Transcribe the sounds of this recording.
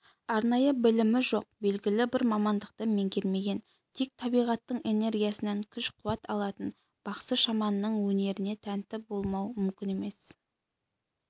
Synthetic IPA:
ɑɾnɑjəbɪlɪmɪʒo̞q̚be̞lɡʲɪlɪbɪɾmɑmɑnd̪əq̚t̪əme̞ŋɡʲe̞lme̞ɡʲe̞n | t̪ʰek̚t̪ʰɑbijʁɑt̪ːəɴe̞ne̞ɾɡʲijasɪneŋkʲʰʏʃqʰʊwɑt̪ɑlˠɑt̪ən | b̥ɑqsəʃɑmɑnːəɴwɵne̞ɾɪne̞t̪ʰænt̪ɪp̚bo̞lˠmɑwmʏmkʲɪne̞me̞s

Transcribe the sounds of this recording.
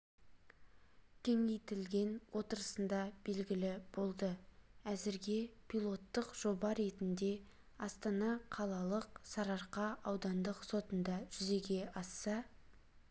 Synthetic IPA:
kʲʰe̞ŋejt̪ɪlɡʲe̞nwʔo̞t̪əɾəsənd̪ɑb̥e̞lɡʲɪlɪb̥o̞lˠd̪əæzɪɾɡʲe̞pʰijlˠo̞t̪ːəqʒ̥o̞bɑɾe̞t̪ɪnd̪e̞ | ɑst̪ɑnɑqʰɑlˠɑlˠəqsɑɾɑɾqɑɑwd̪ɑnd̪əqso̞t̪ənd̪ɑʒ̥ʏze̞ɡʲe̞ʔɑsːɑ

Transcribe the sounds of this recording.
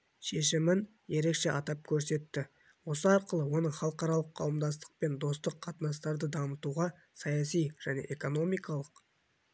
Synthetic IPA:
ʃe̞ʃɪmɪn | je̞ɾe̞kʃe̞ʔɑt̪ɑp̚kʲʰɵɾse̞t̪ːɪ | wo̞səɑɾqəlˠəwo̞nəɴχɑlˠəqɑɾɑlˠəqʰːɑwəmd̪ɑst̪ə̥q̚pe̞nd̪o̞st̪əqʰːɑt̪ənɑst̪ɑɾd̪əd̪ɑmət̪uʁɑ | sɑjɑsijʒ̥æne̞̰ʔeko̞no̞mijkɑlˠəq

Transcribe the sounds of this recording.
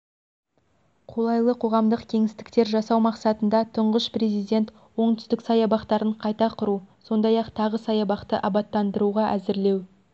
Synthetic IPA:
qʰo̞lˠɑjlˠəqʰo̞ʁɑmd̪əqkʲʰe̞ŋɪst̪ɪ̥k̚t̪e̞ɾʒɑsɑwmɑqsɑt̪ənd̪ɑt̪ʰʊɴʁəʃpre̞zijd̪e̞nt̪ | wo̞ɴt̪ʏ̥st̪ɪksɑjɑbɑqt̪ɑɾəɴqʰɑjt̪ɑqʰʊɾuso̞nd̪ɑjɑqt̪ʰɑʁəsɑjɑbɑqt̪əʔɑbɑt̪ːɑnd̪əɾuʁɑʔæzɪɾle̞w

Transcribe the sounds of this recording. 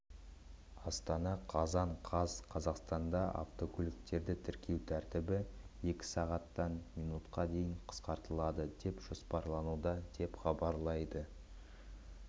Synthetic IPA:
ɑst̪ɑnɑqʰɑzɑɴqʰɑzqʰɑzɑqst̪ɑnd̪ɑʔɑ̰ft̪o̞kʲʰʏlʲɪk̚t̪e̞ɾd̪ɪt̪ʰɪɾkʲʰe̞wt̪ʰæɾt̪ɪbɪe̞kʲɪ̥sɑʁɑt̪ːɑnmijnut̪qɑd̪e̞jɪɴqʰə̥sqɑɾt̪əlˠɑd̪əd̪e̞pʒ̥ospɑɾlˠɑnud̪ɑd̪̥e̞pχɑbɑɾlˠɑjd̪ə

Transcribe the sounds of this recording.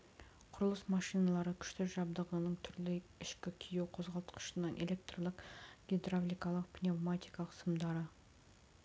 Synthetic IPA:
qʰʊɾəlˠəsmɑʃijnɑlˠɑɾəkʲʰʏ̥ʃt̪ɪʒɑb̚d̪əʁənəɴt̪ʰʏɾlɪɪʃkʲɪkʲʰijewqʰo̞zʁɑlˠt̪ə̥qə̥ʃənɑnʔḛle̞k̚t̪rolˠəqɡʲed̪ravlʲijkɑlˠəq̚pnʲevmat̪ijkɑlˠəqsəmd̪ɑɾə

